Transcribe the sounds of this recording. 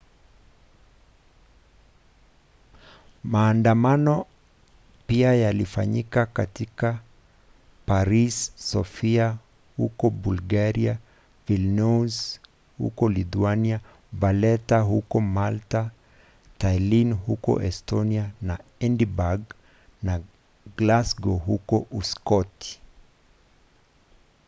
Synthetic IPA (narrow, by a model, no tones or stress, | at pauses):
maːndamanɔ | piajalifa̰ɲikakatika | paɾisːɔfia | hṵkɔbulɡaɾia | vilnuz | hṵkɔlituania | valɛtahukɔmalta | tajlinhukɔ̰ʔɛstɔnianaɛndibaɡ | na | ɡlasɡɔɦukɔʔuskɔti̥